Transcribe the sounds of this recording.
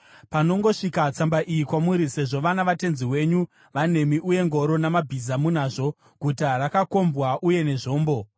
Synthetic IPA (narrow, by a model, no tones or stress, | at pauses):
pano̞ŋɡo̞ʂikat͡sambaʔijikwamuɾise̞ʐo̞ʋanaʋate̞nziwe̞ɲu | ʋane̞miʔuje̞ŋɡo̞ɾo̞namabʱizamunaːʐo̞ | ɡ̥ʱutaɾakako̞mbwaʔuje̞ne̞ʐo̞ːmbo̞